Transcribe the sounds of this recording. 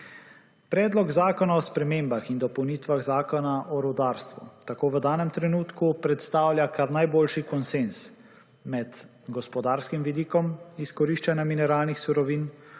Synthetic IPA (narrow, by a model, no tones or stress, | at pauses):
pɾɛːd̪lɔɡzaːkɔnaɔspɾɛmembaxind̪ɔpɔwniːt̪ʋaɣzaːkɔnaʔɔɾɔd̪aːɾst̪ʋṵt̪akoːʋəd̪aːnɛmt̪ɾɛnuːt̪kupɾɛt̪st̪aːwljakʰaɾnajboːlʃikɔnsens | mɛd̪ | ɡɔspɔd̪aːɾskimʋid̪iːkɔmiskɔɾiːʃt͡ʃanjaminɛɾaːlnixsuɾɔʋin